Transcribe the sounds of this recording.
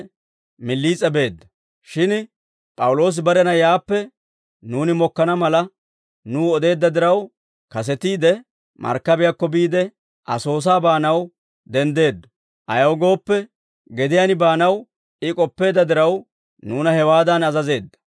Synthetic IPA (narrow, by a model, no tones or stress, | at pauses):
mɪlːiːt͡sʼɛbe̞ːd̪ːɐ | ʃɪn | pʼɐwʊlo̞ːs̬ɪbɐɾɛnɐjaːpːɛ | nuːnɪmɔkːɐnɐmɐlɐ | nuːɔd̪e̞ːd̪ːɐd̪ɪɾɐw | kɐs̬ɛt̪iːd̪ɛ | mʔɐ̰ɾkːɐbɪjakːɔbiːd̪ɛ | ʔɐ̰so̞ːs̬aːbaːnɐw | d̪ɛnd̪e̞ːd̪ːɔ̥ | ʔɐ̰jɐɡo̞ːpːɛ | ɡɛd̪ɪjanɪbaːnɐw | ɪkʼɔpːe̞ːd̪ːɐd̪ɪɾɐw | nuːnɐhɛwaːd̪ɐnɐzɐze̞ːd̪ːɐ̥